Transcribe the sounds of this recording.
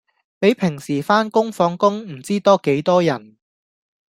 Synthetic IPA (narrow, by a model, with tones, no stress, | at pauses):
pe˨˥jpʰɪ˨˩ŋsiː˨˩faː˥nkʊ˥ŋfɔː˨˥ŋkʊ˥ŋm̩˨˩t͡siː˥t̪ɔː˥ke˨˥jt̪ɔː˥jɐ˨˩n